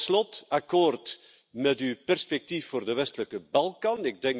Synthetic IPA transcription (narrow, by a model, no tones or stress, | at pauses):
slɔtakoːrt | mɛtypɛrspɛk̚tifːoːrdəʋɛstələkəbɑlˠkɑnɪɡ̚dɛŋ